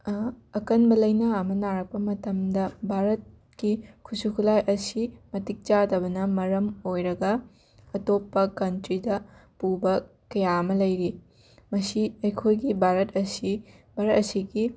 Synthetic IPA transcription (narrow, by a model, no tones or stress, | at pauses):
ɐkɐnbɐlɐjnɐɐmɐnaɾɐk̚pɐmɐtɐmdɐbʱaɾɐt̚ | kikʰusukʰulajʔɐsimɐtik̚t͡ʃadɐβɐnɐmɐɾɐmojɾɐɡɐ | ɐtopːɐkɐntɾidɐpubɐkɐjaɐmɐlɐjɾi | mɐsiɐjkʰojɡibʱaɾɐt̚ɐsi | bʱaɾɐt̚ɐsiɡi